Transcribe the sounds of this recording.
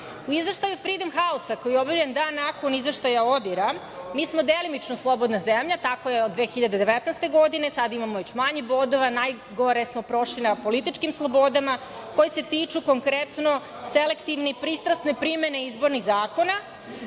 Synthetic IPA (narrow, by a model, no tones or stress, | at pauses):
uizʋe̞ʃt̪ajufɾid̪omxausakojijeobaviʎend̪aːnːako̞nizʋeʃt̪ajaod̪iɾa | miːsmo̞d̪elimit͡ʃnoslˠo̞bo̞d̪nazemʎat̪ako̞jeod̪ːʋeːxiʎad̪ed̪e̞ʋet̪najst̪e̞ɡo̞d̪ine̞sad̪aimamoʋe̞t͡ɕmaɲebod̪oʋanaj | ɡoɾesmo̞pɾo̞ʃlinapo̞lit̪it͡ʃkimslˠobo̞d̪ama | kojese̞t̪iːt͡ʃuko̞ŋkɾet̪no | selekt̪iʋnipɾiːst̪ɾasnepɾime̞ne̞izbo̞ɾniɣzaːkona